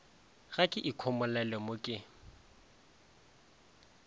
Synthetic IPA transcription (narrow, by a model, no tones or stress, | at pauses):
ɣakʼɪʔikʰɔmʊlɛlɛmʊkʼɪ